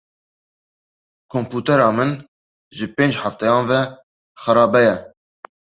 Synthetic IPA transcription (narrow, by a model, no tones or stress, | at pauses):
kʰompuːt̪ɛɾɑːmɨn | ʒɨpeːnd͡ʒħaft̪ɛjɑ̃ːnvɛ | xəɾɑːbɛjɛ